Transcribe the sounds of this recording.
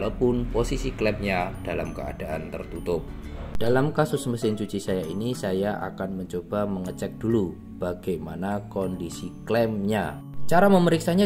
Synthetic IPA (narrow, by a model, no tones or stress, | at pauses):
lapʊnposisiklɛmɲad̥alamkəa̰d̥aʔa̰nt̪ə̰rt̪ut̪ʊp̚d̥alamkasʊsməsɪnt͡ʃut͡ʃisajainisajaʔa̰kanməɲt͡ʃob̥aməŋət͡ʃɛk̚d̥ulu | b̥aɡ̥ajmanakɔndisiklɛmɲa | t͡ʃaɾaməməɾiksaɲa